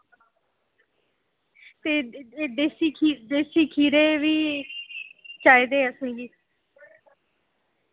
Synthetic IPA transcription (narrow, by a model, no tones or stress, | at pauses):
t̪eːd̪eːsiːkʰid̪eːsiːkʰiːɾeːʋiː | t͡ʃaːid̪eːəsẽːɡiː